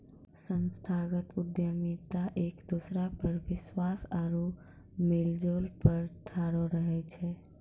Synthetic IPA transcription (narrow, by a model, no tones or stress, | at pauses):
sənst̪ʰaɡət̪ʊd̪jəmit̪aʔeːkd̪usɾapəɾʋɪswaːsaɾo | mɪld͡ʒoːlpəɾʈʰaːɾoɾəɦɛt͡ʃʰɛ